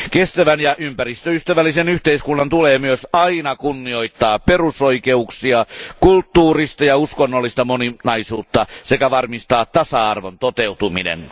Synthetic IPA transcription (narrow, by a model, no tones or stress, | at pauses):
kest̪æʋænjɑʔympærist̪øyst̪æʋælːisenyht̪eiskunːɑnt̪uleːmyøsɑinɑkunːio̞it̪ːɑːpperusoike̞uksiɑkult̪ːuːrist̪ɑjɑuskonːolːist̪ɑmoninɑisuːt̪ːɑsekæʋɑrmist̪ɑːt̪tːɑsɑɑ̰rʋont̪ot̪e̞ut̪umḭnḛn